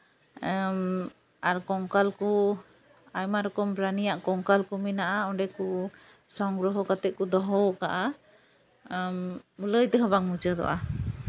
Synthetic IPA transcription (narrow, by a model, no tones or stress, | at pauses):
aɾkɔŋkalku | ajmaɾɔkɔmbɾanijaʔkɔŋkalkuminaʔaɔɳɖɛku | sɔŋɡɾɔɦɔkat̪ɛʔ̚kud̪ɔɦɔwʔkaʔa | muləjt̪ɛɦɔbaŋmut͡ʃəd̪ɔ̰ʔa̰